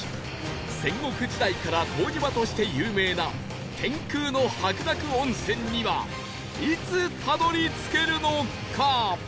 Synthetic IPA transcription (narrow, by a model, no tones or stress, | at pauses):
sẽ̞ŋɡo̞kɯ̟d͡ʑid̪aikaɾat̪ʰo̞ːɡʲibat̪o̞ɕi̥t̪e̞jɯ̟ːme̞ːna | t̪ẽ̞ŋkɯːno̞hakɯ̟d̪akɯ̟õ̞ɰ̃sẽ̞ɲ̟ːiβa | it͡sɨt̪ʰano̞ɾʲit͡sɨ̥ke̞ɾɯ̟no̞ | kʰa